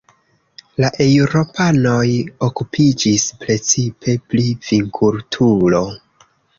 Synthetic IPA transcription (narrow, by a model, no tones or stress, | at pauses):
laʔe̞wɾo̞pano̞jokupʰid͡ʒispɾe̞t͡sipʰe̞pliv̥iŋkʰultʰulo̞